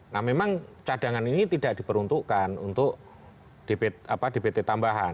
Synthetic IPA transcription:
nahmemaŋt͡ʃadaŋaninit̪id̥aʔd̥i̤pəɾunt̪uʔkanṵnt̪ʊʔ | d̥epet̪apadepet̪et̪ambaɦa̰n

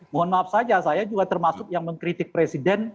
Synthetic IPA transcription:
moɦɔnmaap̚sad͡ʒasajad͡ʒuɡat̪ərmasʊk̚jaŋməŋkɾit̪ɪk̚pɾesidɛn

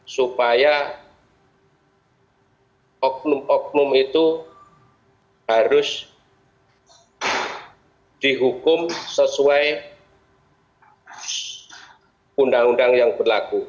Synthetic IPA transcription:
supaja | ɔk̚nʊmɔk̚nʊmit̪u | haɾʊs | d̪̥iɦukʊmsəsuaj | undaŋunɖaŋjaŋbərlaku

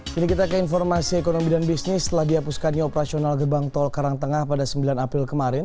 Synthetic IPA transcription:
inikit̪akəinfɔrmasiɛkonomidanbisnɪst̪əlahdiɦapuskanɲaopəɾasionalɡərbaŋt̪ɔlkaɾaŋt̪əŋahpadasəmbilanapɾɪlkəmaɾɪn

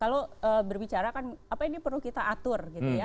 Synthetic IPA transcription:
kaloəːbərbit͡ʃaɾakanapainipərlukit̪aʔat̪ʊrɡit̪uja

